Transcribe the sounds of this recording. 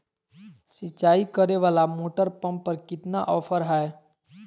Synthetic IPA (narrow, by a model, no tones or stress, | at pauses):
sɪt͡ʃːaːikəɾeʋaːlamoːʈəɾpɐ̃mpːəɾkɪt̪naʔɔːfʰəɾɦae